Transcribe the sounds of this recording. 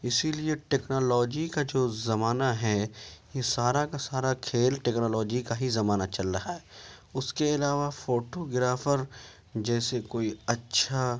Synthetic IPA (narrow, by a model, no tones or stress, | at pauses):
ɪsilieʈeːknoːlɔːd͡ʒikad͡ʒoːzɐmaːnaɦɛjesaːɾakasaːɾakʰeːlʈeːknoːlɔːd͡ʒikaɦizɐmaːnat͡ʃɐlɾaɦaɦɛːʊskeɪlaːʋafoːʈoɡɪɾaːfəɾ | d͡ʒɛːsekoːiɐtːʃʰa